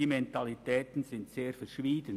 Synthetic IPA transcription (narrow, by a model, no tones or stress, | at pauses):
iːmɛntɑlitɛːtn̩zɪntseːɾfɛɾʃʋiːdən